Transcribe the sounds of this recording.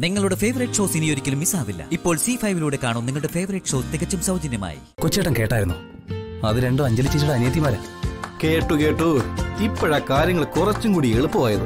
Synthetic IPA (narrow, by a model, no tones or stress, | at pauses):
niŋːɐɭuɽefe̞ːʋɐrɐjʈʂo̞ːsinijo̞ɾikʲːɐlumːisaːʋilːɐ̰ipːo̞ːɭsifɐjʋiluːɽe̞kaːɳuːniŋːɐɭuɽefe̞ːʋɐrɐʈʂo̞ːst̪ːekːɐt͡ɕːumsɐwd͡ʑɐnjɐma̰ːjḭkot͡ɕːeːʈːɐmke̞ːʈːaːjɾunːu | ɐðɨɾe̞ɳɖumɐɲd͡ʑɐlit͡ɕːit͡ɕːuɽeɐnjɐt̪̬ːimaːɾeke̞ːʈːuke̞ːʈːut̪ipːeɻɐkaːɾjɐŋːɐɭkurɐt͡ɕːumkuːɽieɭupːuʋaːjɐðɨ